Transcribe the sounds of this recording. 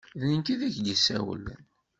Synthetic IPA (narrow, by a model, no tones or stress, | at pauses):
ðnənkiðæçɡəsæ̰wə̰lːə̰n